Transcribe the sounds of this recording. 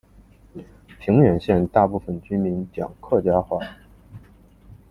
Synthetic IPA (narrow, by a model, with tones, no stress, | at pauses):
pʰi˧˥ŋɥɛ˨˩nɕjɛ˥˧nt̪a˥˧pu˥˩fə˥˩nt͡ɕy˥mi˧˥nt͡ɕjɑ̰˨˩ŋkʰɤ˥˩t͡ɕja˥xwa˥˩